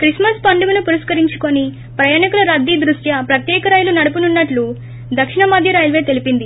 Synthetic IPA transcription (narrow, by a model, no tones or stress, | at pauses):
kɾismɐspɐɳɖuɡɐnupuɾiskɐɾiɲt͡ʃu̥koni | pɾɐjaːɳikulɐɾɐd̪ːiːd̪ɾusjɐpɾɐt̪jɛːkɐɾaːjulunɐɽupununːɐʈlu | d̪ɐkʂiɳɐmɐd̪ʱjɐɾaːjulɐʋe̞ːt̪e̞lipind̪i